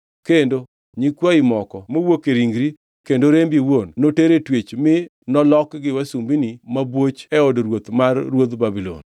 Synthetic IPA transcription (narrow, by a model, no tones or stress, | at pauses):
kendo | ɲikwaɪmɔkɔmowokeɾiŋɡɾi | kendoɾembiwonːoteɾetwet͡ʃmɪ | nɔlɔkɡɪwasumbinimabwot͡ʃɛɔdɾwot̪marːwod̪babilo̰n